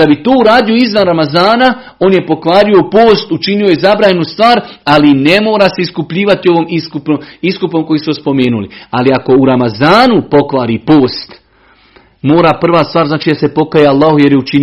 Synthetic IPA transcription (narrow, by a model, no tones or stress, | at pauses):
abit̪oːuɾaːd̪ijoizʋanɾamazaːna | oːnje̞po̞kʋaːɾio̞poːst̪ut͡ʃinio̞jezabɾaːɲe̞nust̪ʋaːɾaline̞mo̞ːɾase̞iskupʎiːʋat̪io̞ʋoːmiskupoiskupo̞mko̞jiːsuospo̞me̞ːnulḭaliako̞uɾamazaːnupo̞kʋaːɾipo̞ːst̪ | mo̞ːɾapr̩ʋaːst̪ʋaːɾznaːt͡ʃid̪ase̞po̞kajealˠːaːhojeɾjeut͡ʃin